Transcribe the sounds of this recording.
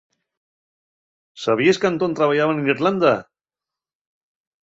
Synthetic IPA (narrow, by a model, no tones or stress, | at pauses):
saβ̞ieskant̪ont̪ɾaβaʎaβaneniɾland̪a